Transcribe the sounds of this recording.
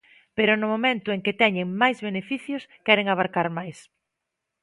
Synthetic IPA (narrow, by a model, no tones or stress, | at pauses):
peɾʊnʊmomẽnt̪ʊeŋkɪt̪ɛɲeŋmajzβenefiθjʊskɛɾeŋaβ̞aɾkaɾmajs